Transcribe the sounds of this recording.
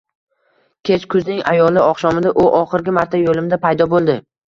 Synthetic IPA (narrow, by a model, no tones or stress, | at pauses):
kʲʰe̞t͡ʃkʰʊznɪŋa̰jɒlˠɪɒχʃɒmɪd̪aʔʊʔɒχɨɾɡʲɪmaɾt̪ʰajolɪmd̪apʰajd̪ɒbolˠd̪ɪ